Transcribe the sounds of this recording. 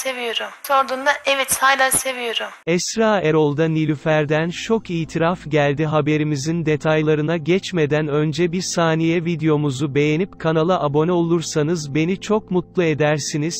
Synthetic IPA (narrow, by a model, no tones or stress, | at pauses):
se̞vijo̞ɾumso̞ɾd̪und̪aʔevɛt̪sajlˠase̞vijo̞ɾumɛssɾaːeɾo̞lˠd̪anilʲyfæɾd̪ænt͡ʃʰo̞kiːt̪ʰiɾafɟælʲd̪iɦabe̞ɾimizind̪e̞t̪ʰajlˠaɾɯnaɟɛt͡ʃme̞d̪ænø̞nd͡ʒɛbiɾsaːnijɛvid̪ejo̞muzube̞jenipkʰanalˠɯʔabo̞nɛo̞lˠuɾsanɯzbe̞nit͡ʃʰo̞kmut̪lˠue̞d̪æɾsiniz̥